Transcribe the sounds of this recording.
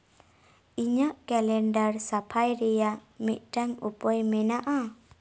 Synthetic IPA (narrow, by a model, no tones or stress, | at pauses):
iɲaʔkɛlɛɳɖaɾsapʰajɾɛjamic̪̚ˀʈaŋupɔjmɛnaʔa